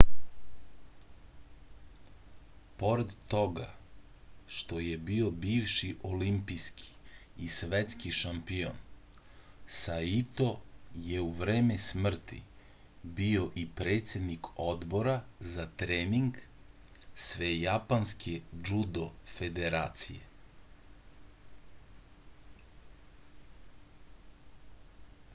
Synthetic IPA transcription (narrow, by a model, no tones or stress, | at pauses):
poɾed̪t̪o̞ɡa | ʃt̪o̞jebio̞biːʋʃiʔolimpiskʰi̥ːsʋet̪skiʃampio̰n | sait̪o̞je̞uʋɾeːmesmr̩t̪ḭ | bio̞ʔipɾeːt̪sʲjed̪nikʰod̪bo̞ɾazat̪ɾeːmiŋɡ | sʋejapanskʰed͡ʒud̪ofed̪eɾa̰ːt̪sḭje̞̰